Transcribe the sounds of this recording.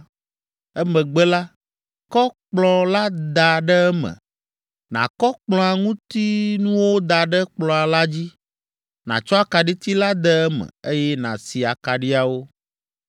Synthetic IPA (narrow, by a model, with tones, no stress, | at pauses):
ɛ˦mɛ̃˨ɡ͡bɛ˦la˦ | kɔ˦k͡plɔ˨la˦d̪a˨ɖɛ˦ɛ˦mɛ̰̃˨ | nã̰˨kɔ˦k͡plɔ̃˦a˨ŋũ˦t̪i˦nũ˦wo˦d̪a˨ɖɛ˦k͡plɔ̃˨a˨la˦d͡ʑi˦ | nã̰˨t͡ʃɔ˦a˦ka˨ɖi˦t̪i˦la˦d̪ɛ˦ɛ˦mɛ̰̃˨e˦jɛ˦nã̰˨si˨a˨ka˨ɖi˦a˨wo˦